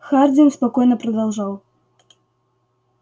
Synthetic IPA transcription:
xard͡zʲimspakɔjnɐpɾɐd̪awʐaw

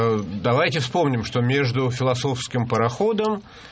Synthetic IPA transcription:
d̪ɐvajtʲɪfspo̞mnʲɪmʂt̪omʲe̞ʐd̪ʊfʲɪlˠɐso̞fskʲɪmpəɾɐxo̞d̪əm

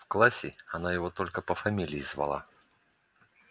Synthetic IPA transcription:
fklˠasʲɪ̰ɐnajɪvot̪o̞lʲkəpəfɐmʲilʲɪjizvɐ̰lˠa̰

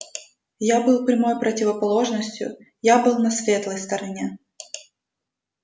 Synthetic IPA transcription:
jabɨlˠpɾʲɪmo̞jpɾətʲɪvəpɐlˠo̞ʐnəsʲtʲjʊ̰ | jabɨlˠnɐsvʲe̞t̪lˠəjst̪əɾɐnʲe

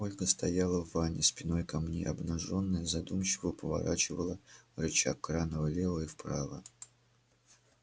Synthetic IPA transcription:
molʲxəst̪ɐjalˠəvːanʲɪspʲɪno̞jkɐmnʲḛʔɐbnɐʐo̞nːəjəzɐd̪umɕɪvəpəvɐ̰ɾat͡ɕɪvəlˠərɨt͡ɕa̰kːranəvəlʲelˠəifpɾavə̰

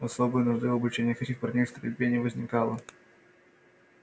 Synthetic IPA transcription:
ɐsobɨjənʊʐd̪ɨɐbʊt͡ɕenʲɪjəxɛtʲɪxpɐrnʲejst̪ɾʲɪ̰bʲvʲenʲɪvəzʲnʲɪkalˠə

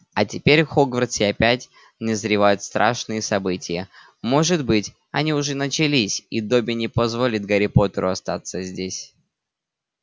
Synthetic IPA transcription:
ɐtʲɪpʲeɾʲxoɡvərsʲɪɐpʲætʲ | nʲɪzɾʲɪvajʊt̪st̪ɾʔa̰ʂnɨjəsɐbɨtʲɪjə | mo̞ʐɨd̪bɨtʲ | ɐnʲiʊʐɛnət͡ɕɪlʲisʲid̪o̞bʲɪnʲɪpɐzvo̞lʲɪt̪̚ɡəɾʲɪpo̞t̪əɾʊɐst̪at̪səzʲdʲesʲ

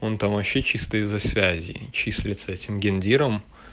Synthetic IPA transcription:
o̞nt̪amvɐɕːet͡ɕist̪əɪzːɐsvʲæzʲɪ̰t͡ɕisʲlʲɪt̪səɛtʲɪmɡʲɪnʲdʲiɾəm

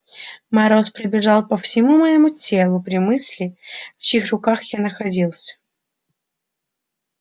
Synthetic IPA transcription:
mɐɾospɾɪbʲɪʐalˠpəfsʲɪmuməjɪmutʲelˠʊpɾʲɪmɨsʲlʲɪfixrʊkaxjanəxɐdʲilˠsʲə̥

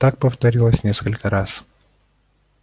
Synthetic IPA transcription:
t̪ak̚pəft̪ɐɾʲilˠəsʲnʲeskəlʲkəɾas

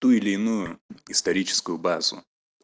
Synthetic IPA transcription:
t̪uɪlʲɪːnujʊɪst̪ɐɾʲit͡ɕɪ̥skʊjʊbazʊ̰

